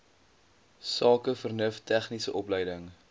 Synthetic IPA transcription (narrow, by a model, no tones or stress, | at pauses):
sɑːkəfərnəftæχnisəʔɔplɛjdəŋ